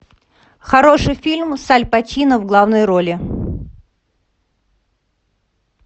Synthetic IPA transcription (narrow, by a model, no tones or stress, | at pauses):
xɐɾo̞ʂɨjfʲilʲmsalʲpɐtʲinəvɡlˠavnəjɾolʲɪ